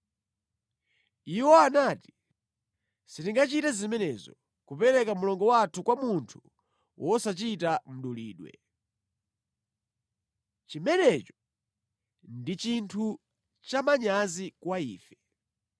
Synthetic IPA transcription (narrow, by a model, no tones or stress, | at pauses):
iwɔanati̥ | sitiŋɡat͡ʃitazimɛnɛzɔ | kupɛɾɛkamulɔŋɡɔwatʰukwamuntʰu | wʔɔsat͡ʃitam̩ɗulḭːɗwɛ̰ | t͡ʃimɛnɛt͡ʃɔ̥ | ndit͡ʃintʰu | t͡ʃamaɲazikwaiːfɛ